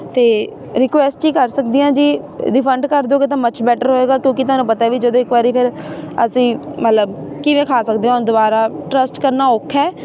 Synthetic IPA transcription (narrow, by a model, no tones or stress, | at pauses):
t̪eː | ɾɪkʋɛːsʈt͡ʃiːkəɾsəkd̪ijãːd͡ʒiː | ɾɪpʰəɳɖkəɾd̪oːket̪ãːmət͡ʃʰbɛːʈəɾɦoːeːɡaːkjõːkɪt̪ʊaːnũːpət̪aːʋiːd͡ʒəd̪õːɪkʋaːɾiːpʰɪɾə̰sĩːmət̪ləbkiːʋẽːkʰaːsəkd̪ẽːond̪ʊbaːɾaːʈɾəsʈkəɾnaːʊkʰːɛː